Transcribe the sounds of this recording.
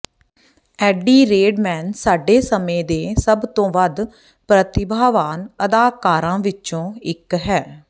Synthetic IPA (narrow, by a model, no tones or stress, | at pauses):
ɛːɖiːɾeːɖmɛːnsaːɖeːsəmẽːd̪eːsəbt̪õːʋəd̪ | pɾət̪ɪbʱaːʋaːnəd̪aːkaːɾãːʋɪt͡ʃõːɪkɦɛː